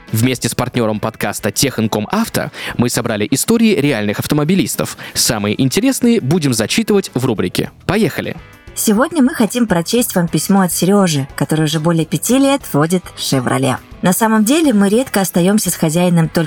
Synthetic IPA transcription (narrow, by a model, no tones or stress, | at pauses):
vmʲesʲtʲɪspɐrtʲnʲo̞ɾəmpɐt̪kast̪ətʲexənkomaft̪ə̰mɨsɐbɾalʲɪʔɪst̪oɾʲɪːɾʲɪalʲnɨxɐft̪əmɐbʲɪlʲist̪ə̰fsamɨjɪ̰ʔɪnʲtʲɪɾʲe̞snɨjəbudʲɪmzɐt͡ɕit̪ɨvətʲvrubɾʲɪkʲɪ̰pɐjexəlʲɪ̰ | sʲɪvo̞dʲnʲəmɨxɐtʲimpɾɐt͡ɕesʲtʲvampʲɪsʲmo̞ɐt̪sʲɪɾʲo̞ʐɨkɐt̪o̞ɾɨjʊʐɛbo̞lʲɪjəpʲɪtʲilʲe̞t̪vodʲɪt̪fʂʲɪvrʔɐ̰lʲa̰nɐsaməmdʲelʲɪmɨɾʲe̞t̪kəɐst̪ɐjo̞msʲəsxɐzʲæjɪnəmt̪o̞lʲ